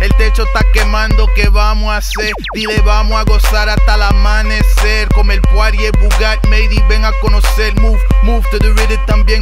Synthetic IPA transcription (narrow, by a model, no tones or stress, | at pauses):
elt̪et͡ʃost̪akemãnd̪okeβamoaseɾd̪iðeβamoaɣosaɾat̪alamaneseɾkomelkwaɾjebuɣaɾmejðiβeŋakonoselmufmuft̪eðuviðet̪ambjeŋ